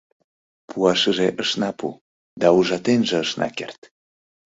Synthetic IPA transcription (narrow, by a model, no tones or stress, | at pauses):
pʰuɑʃəʒeʔəʃnɑpṵ | d̪ɑuʒɑt̪enʒĕəʃnɑ̰kert̪